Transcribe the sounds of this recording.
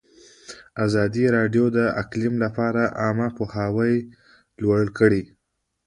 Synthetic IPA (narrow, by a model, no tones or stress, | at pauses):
azɑd̪iɾɑɖjod̪əa̰klɪmlapɑɾaʔɑmapohawəj | lwaɽkəɽi